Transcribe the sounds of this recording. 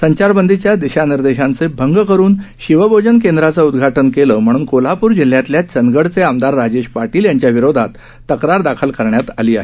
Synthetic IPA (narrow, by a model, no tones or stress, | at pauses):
səɲt͡ɕaɾbənd̪ʱit͡ɕjad̪iɕaniɾd̪eɕant͡sebʱəŋɡkəɾuːnɕiʋəbʱod͡ʑənk̬end̪ɾat͡saud̪ɡʱaʈənkeləːm̤əɽ̃uːnkolapuːɾd͡ʑil̤ːjat̪ljat͡sənɡəɽt͡seamd̪aɾːad͡ʑeɕpaʈiːljaɲt͡ɕjaʋiɾod̪ʱat̪ː | əkɾaɾd̪akʰəlkəɾɳjat̪a̰liːaɦe